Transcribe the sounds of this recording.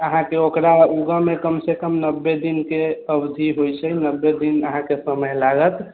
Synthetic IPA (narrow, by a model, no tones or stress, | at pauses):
əɦãkeokɾauɡəmekəmsekəmnəbːed̪inkeəbd̪ʱiɦojt͡ʃʰɛnəbːed̪inəɦãkesəməjlaɡət̪